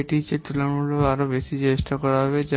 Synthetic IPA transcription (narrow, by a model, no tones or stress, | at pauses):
eʈit͡ʃet̪ulɐmuɭoaɾobesid͡ʒeːsʈɐkɔɽabed͡ʒa